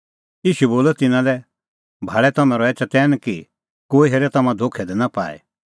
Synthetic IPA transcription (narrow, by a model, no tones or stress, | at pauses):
iːʃuboːlɛt̪ɪnãlɛ | bʱaːɭɛt̪ɐmɛ̃ɾɔɛːt͡ʃat̪ɛːnki | koːiɦeːɾɛt̪ɐmãd̪ʱokʰɛd̪ɛnapa̰ːɛ̰